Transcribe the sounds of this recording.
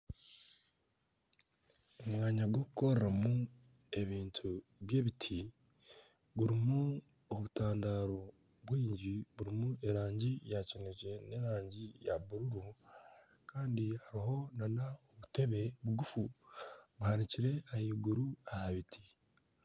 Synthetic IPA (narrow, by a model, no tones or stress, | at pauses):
omŋaːɲaɡwo̞kuko̞ɾeɾamu | e̞βiːntʰuβje̞ːβitʰi | βuɾimu | oβutaːndaːɾo̞ | βwiːɲɟiβuɾimuʔe̞ɾaːɲɟijaceneʒe̞ne̞ɾaːɲɟijaβuɾuɾu | kaːndihaɾiɦo̞nanaoβute̞βe̞βuɡufu | βuhaniciɾe̞ahiːɡuɾuahaβitʰi̥